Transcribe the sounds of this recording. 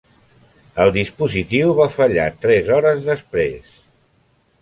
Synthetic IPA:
əlˠd̪ispuzit̪iwβafəʎa̰t̪ɾɛzɔɾəzðəspɾḛs

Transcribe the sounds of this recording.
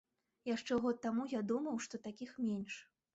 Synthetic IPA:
jaʂt͡ʂɛɣɔt̪̚ːamujad̪umɐwʂt̪ɔt̪akʲixmʲenʲʂ

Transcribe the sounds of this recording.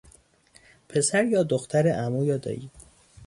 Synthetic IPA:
pʰe̞sæɾjɒːd̪oxt̪ʰæɾeʔæmuːjɒːd̪ɒ̰ːiː

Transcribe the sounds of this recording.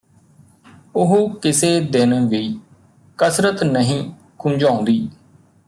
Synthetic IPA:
ʊɦuːkɪseːd̪ɪnʋiː | kəsɾət̪nəɦĩː | kʰʊ̃ːd͡ʒãːʊ̃nd̪iː

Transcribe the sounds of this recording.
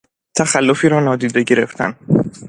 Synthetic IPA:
t̪ʰæxælːofiːɾɒːnɒːd̪iːd̪e̞ɟe̞ɾe̞̰ft̪ʰæ̰n

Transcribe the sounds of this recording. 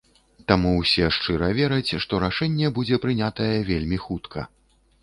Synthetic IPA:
t̪amuwsʲɛʂt͡ʂɨɾɐvʲɛɾɐt͡sʲʂt̪ɔɾaʂɛnʲːɛbud͡zʲɛpɾɨnʲat̪ɐjɛvʲelʲmʲixut̪kʰɐ̰

